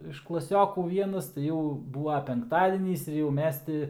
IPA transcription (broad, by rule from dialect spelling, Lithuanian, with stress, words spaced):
ɪʃ klˠɐˈsʲoːkuː ˈʋʲiɛnɐs tɐɪ ˈjɛʊ ˈbuːʋɐ pʲɛŋkˈtɑːdʲiɛnʲiːs ɪr jɛʊ ˈmʲɛs tʲɪ